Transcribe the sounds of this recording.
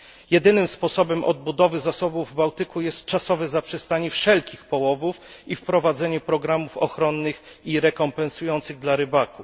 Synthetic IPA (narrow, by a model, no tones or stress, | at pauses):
jɛd̪ɘnɘmspɔsɔbɛmʔɔ̰d̪̚bud̪ɔvɘzasɔbuːbawt̪ɘkujɛst̪̚t͡ʂasɔvɛzapʂɛst̪aɲɛfʂɛlkʲixpɔwɔvufifpɾɔvad̪zɛɲɛpɾɔɡɾamufɔxɾɔnːɘx | iɾɛkɔmpɛnsujɔnt̪sɘɣd̪laɾɘbaku